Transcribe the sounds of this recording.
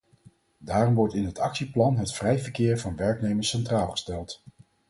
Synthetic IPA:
daːrɔmʋɔɹtɪnɦətɑksiplɑnɦətfrɛjvəɹkɪːɹvɑnʋɛɹknejməsɛntraːlˠχə̥stɛlˠt

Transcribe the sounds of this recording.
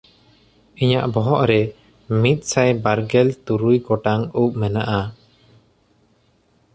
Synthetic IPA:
iɲaʔbɔɦɔʔɾɛ | mit̪̚sajbaɾɡɛlt̪uɾujkɔʈaŋup̚mɛnaʔa

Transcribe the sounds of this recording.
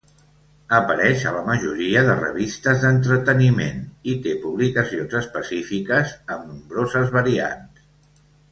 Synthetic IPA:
əpəɾɛʃə̰ləməʒuɾiəðə̰rə̰βist̪əzðənt̪ɾət̪ənimḛnit̪epuβlikəsionzəspəsifikəzəmnumbɾozəzβəɾia̰ns

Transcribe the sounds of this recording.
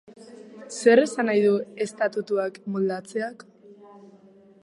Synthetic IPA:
se̞ɾe̞sanajðue̞st̪at̪ut̪uakmold̪at͡se̞ak

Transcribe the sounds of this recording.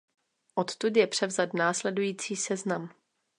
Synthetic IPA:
ʔot̪t̪ut̪jɛpr̥ɛvzad̪naːslɛdujiːt͡siːsɛznam

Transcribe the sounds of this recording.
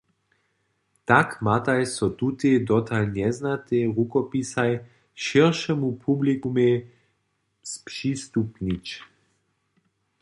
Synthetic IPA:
t̪akmat̪ajsɔt̪ut̪ed̪ɔt̪ʰalnɛznat̪eʁukɔpisaj | ʃiʁʃɛmupʰublikume | spʂist̪upnit͡ʃ

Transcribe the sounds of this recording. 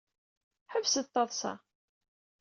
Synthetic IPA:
ħəvsəðt̪ːɑðˤsɑ̰

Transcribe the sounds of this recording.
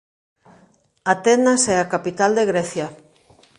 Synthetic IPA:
at̪ɛnasɛakapit̪ald̪eɣɾɛθja

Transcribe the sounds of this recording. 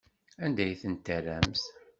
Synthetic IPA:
ænd̪æjθənt̪ːərːæmθ

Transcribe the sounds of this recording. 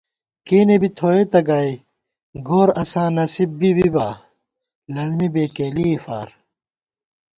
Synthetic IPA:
keːnebit̪ʰoːet̪ɐɡaːi | ɡoːɾɐsãːnɐsibːibibaː | lɐlmibeːkeːliːfa̰ːɾ

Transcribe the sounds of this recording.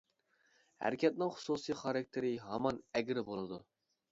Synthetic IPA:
hæ̰ɾɪkʲʰɛt̪̚nɪŋχʊ̥susɨjχɑɾɑk̚ʲt̪ʰeɾɪɦɑmɑnɛɡʲɾɪbolˠɨd̪u

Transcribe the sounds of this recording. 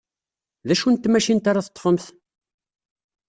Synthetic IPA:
ðæʃunt̪ːmæʃint̪aɾaθət̪ˤːfəmθ

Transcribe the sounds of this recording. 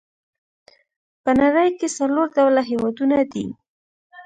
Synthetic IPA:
pənaɾəjkesaloɾd̪awlaɦewɑd̪unad̪ḭ

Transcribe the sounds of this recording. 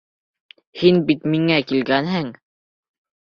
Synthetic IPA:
hinbit̪miŋækilɡænɦɘŋ

